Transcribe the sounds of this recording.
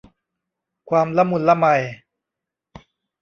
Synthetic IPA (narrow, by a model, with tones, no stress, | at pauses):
kʰwaː˧mla˦˥mu˧nla˦˥ma˧j